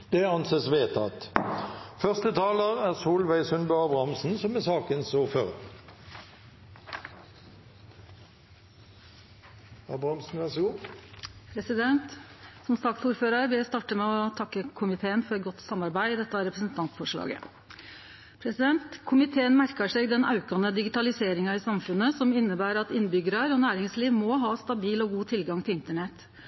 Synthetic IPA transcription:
d̪̥ɛɑnseːsʋeːt̪ʰɑ̰t̪ | fœʁst̪ət̪ʰɑːləʁæːʁsuːlʋæɪsʉnbøɑːbʁɑmsn̩sɔmːɛsɑːkənsuːʁføːʁə̰ʁ | ɑbʁɑmsn̩ʋæʁsʊ | pʰɾɛsɪd̪ɛnt̪sɔmsɑk̚t̪suːɾføːɾɑɾʋɪlæɪst̪ɑːʈəmɛɔt̪ʰɑkːəkʰʊmɪt̪ʰeːənfɔɾɛt̪̚ɡɔt̪ːsɑmɑɾbæɪd̪ɛt̪ːəɑɾɛpɾəsnt̪ʰɑnt̪sfɔʂɭɑ̰ːɡə̰ | pʰɾɛsɪd̪ɛnt̪kʰʊmɪt̪ʰeːənmæɾkɑʂeːɡd̪ɛnɑʉkɑnəd̪ɪɡɪt̪ɑlɪseːɾɪŋɑiːsɑmfʉnəsɔmɪnːəbæːɾɑt̪ɪnbʏɡɾɑɾɔnæːɾɪŋsliːʋmɔɦɑːst̪ɑbiːlɔɡuːt̪ʰɪlɡɑŋt̪ʰɪlɪnt̪əɳɛt̪

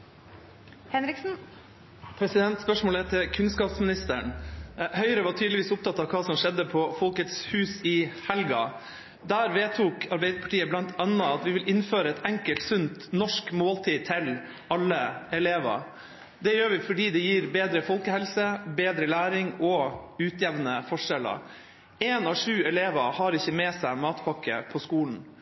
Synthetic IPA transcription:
hɛnɾɪksn̩ | pʰɾɛsɪd̪ɛnt̪spœʂmoːlɛt̪ʰɪlkʰʉnskɑːpsmɪnɪst̪əɳhœʏɾəʋɑʈ̪ʰyːd̪lɪʋiːsʊpt̪ɑt̪ːɑːʋkʰɑːsɔmʂɛd̪ːəpʰɔfɔlkət̪shʉːsɪhɛlɡɑ̰ | d̪æːɾʋeːt̪ʰuːkʰɑɾbɛɪd̪əpʰɑ̥ʈiːəblɑnt̪ʰɑnːəɑt̪ʋɪʋɪlʔɪnføːɾəɛt̪ʰɛŋkəlt̪sʉnt̪nɔʂkmoːlt̪ʰiːt̪ʰɪl | ɑlːəɛleːʋɑ̰ɾ | d̪ɛjøːɾʋɪfɔɖiːd̪ɛjiːɾbeːd̪ɾəfɔlkəhɛlsəbeːd̪ɾəlæːɾɪŋɔʉːt̪jɛʋnəfɔʂɛlə̰ɾ | eːnɑʂʉːɛleːʋɑhɑɾɪçːəmɛsæɪmɑːt̪pʰɑkːə̰pʰɔskuːln̩

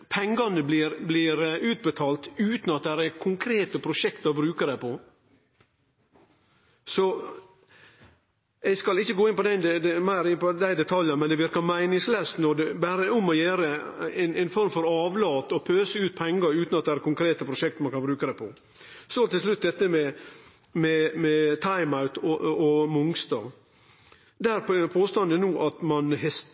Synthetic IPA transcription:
pʰɛŋɡɑnəblɪɾblɪɾʉːt̪̚bət̪ʰɑːlt̪ʉːt̪n̩ɑt̪̚d̪æɾækʰʊŋkʰɾeːt̪əpʰɾʊʂɛkt̪ɔbɾʉːkəd̪æɪpʰɔ | sɔ | ɛɡskɑlɪçːəɡoːɪnpɔd̪ɛnd̪ɛd̪ɛmæɪɾɪpɔd̪æɪd̪ɛt̪ʰɑljɑmɛnd̪ɛʋɪɾkɑmæɪnɪŋslɛːst̪nɔd̪ɛbæɾəʊmɔjæːɾəɛnɛɪnfɔɾmfɔɾɑːʋlɑːt̪ɔpʰøːsəʉːt̪̚pʰɛŋːəɾʉːnɑt̪̚d̪ɛæɾkʰʊŋkʰɾeːt̪əpʰɾʊʂɛk̚t̪mɑnkʰɑnbɾʉːkəd̪æpʰɔ | sɔt̪ɪlslʉt̪̚ːd̪ɛt̪ːəmɛ | mɛmɛt̪ʰɑɪmaʉt̪ɔɔmʊŋst̪ɑ | d̪æɾppʰoːst̪ɑnd̪ənuːʔɑt̪mɑnhɛs

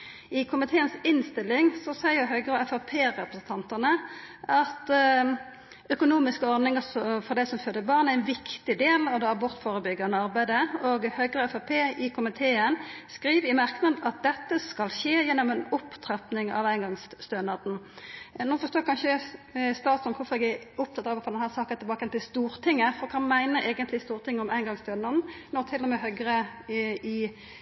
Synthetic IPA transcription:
ɪkʰʊmɪt̪ʰeːənsɪnst̪ɪlːɪŋsɔsæɪʊɦœʏɡɾəɛfɑpʰeːʁɛpʁəsən̩t̪ɑnt̪ənəʔɑt̪ | ʔœkʊnuːmɪskəɔʁdnɪŋəsɔfɔʁd̪æɪsɔmføːd̪əbɑʁnæɪnʋɪkt̪ɪd̪eːlɑʋd̪ɛɑbɔɾt̪foːʁɾəbʏɡːɑnəɑʁbæɪd̪əoːɡhœʏɡʁəɛfɑpʰeːɪkʰʊmɪt̪ʰeːənskɾiːʋɪmɑʁknɑd̪ɑt̪̚d̪ɛt̪ːəskɑlʃeːjɛnːɔmɛnʊpt̪ʰʁɛpnɪŋɑ̰ʋæɪnɡɑŋsst̪ønɑd̪n̩ | nuːfɔɾst̪oːkʰɑnʃəst̪ɑːt̪sɔnkʰʊfɔʁɛɡæʊpt̪ɑt̪ːəɾɑʋəfɔd̪ɛnhæːʁsɑːkənɪlbɑːkəjɛnt̪ɪlst̪uːɾt̪ʰɪŋːəfɔɾɔkʰɑnmæɪnəʔeːɡənt̪lɪst̪uːɾt̪ʰɪŋːəɔmæɪnɡɑŋst̪œnɑd̪n̩nɔt̪ʰɪlːɔmeːɦœɡʁə | ɪ

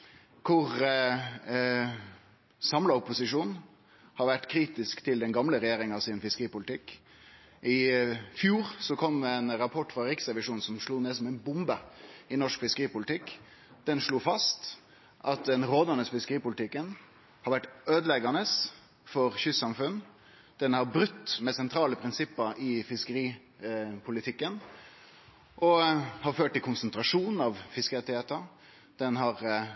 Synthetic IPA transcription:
kʰʊʁ | sɑmlɑʊpʊsɪʂuːn | hɑɾʋæʈːkʰɾiːt̪ɪskt̪ʰɪld̪ɛnɡɑmləɾɛjeːɾɪŋɑʋsɪnfɪskəɾiːpʊlɪt̪ʰɪkː | ʔɪfjuːɾsɔkʰɔmːɛnɾɑpʰɔʈːfʁɑɾɪksɛʋɪʂuːn̩sɔmʂluːneːsɔmɛɪnbʊmbəɪnɔʂkfɪskəʁiːpʊlt̪ʰɪkː | d̪̥ɛnʂɭuːfɑst̪ | ʔɑt̪d̪ɛnɾoːd̪ənəsfɪskəɾiːpʊlt̪ʰɪkːən | hɑɾʋæʈːøːd̪əlɛɡɑnəs | fɔɾçʏsːɑmfʉn | d̪̥ɛnhɑɾbɾʉt̪ːmɛsɛnt̪ʰɾɑːləpʰɾɪnsɪpːəɪfɪskəɾiː | pʰʊlɪt̪ʰɪkːən | ʔɔhɑɾføːʈ̚ːɪlkʰʊnsənt̪ɾɑʂuːnn̩ɑʋfɪskəɛt̪ɪheːt̪ə | d̪̥ɛnɦɑʁ

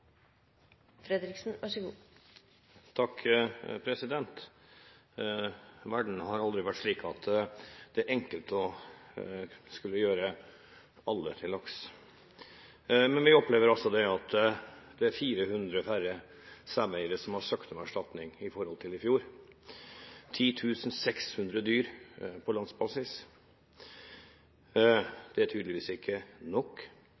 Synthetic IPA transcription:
fɾɛd̪ɾɪksn̩ʋɑʂəɡuː | t̪ʰɑkːpʰɾɛsɪd̪ɛnt̪ | ʋæɖɳ̩hɑɾɑld̪ɾɪʋæʈʂɭiːkʰɑt̪d̪̥ɛæɾʔɛŋkəlt̪ɔ | skʉlːəjøːɾə | ɑlːət̪ʰɪlɔks | mɛnʋɪɔpleːʋəɾɑsɔd̪ɛɑt̪d̪̥ɛæɾfiːɾəhʉnd̪ɾəfæɾə | sæːmæɪəɾəsɔmhɑɾsɑkt̪ɔmæʂʈɑt̪nɪŋɪfɔɾhɔlt̪ʰɪlɪfjuːɾ | t̪ʰiːt̪ʰʉːsn̩sɛkshʉnd̪ɾəd̪yːɾpʰɔlɑnsbɑsɪs | d̪̥ɛæʈʰyːd̪lɪʋiːsɪkʰːənɔkː

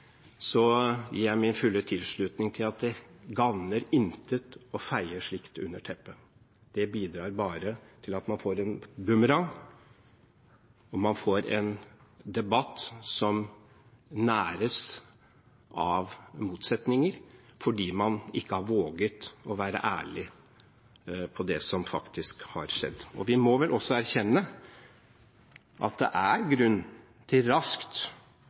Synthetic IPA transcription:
sɔjḭːjæɪmɪnfʉlːət̪ʰɪlʂɭʉːt̪nɪŋt̪ʰɪlɑt̪̚d̪ɛɡɑʋnəɾɪnt̪ət̪ɔfæɪəʂɭɪkt̪ʉ̰nːəʈʰɛpːə | d̪̥ɛbiːd̪ɾɑːɾbɑːɾət̪ʰɪlɑt̪mɑnfoːɾɛnb̪ʉməɾɑŋ | ɔmɑnfoːɾɛ̰nd̪ɛbɑt̪ːsɔm | næːɾəs | ʔɑʋmuːt̪sɛt̪nɪŋəɾfɔɖiːmɑnɪkːəhɑɾʋoːɡət̪ɔʋæːɾə̰ʔæ̰ːɭɪ | pʰɔd̪ɛsɔmfɑ̰kt̪ʰɪskhɑ̰ɾʂɛ̰d̪ːɔʋɪmɔʋɛlʔɔsːɔæɾçɛnːə | ʔɑ̰t̪̚d̪ɛ̰ʔæɾɡɾʉnː | t̪ʰɪlɾɑskt̪

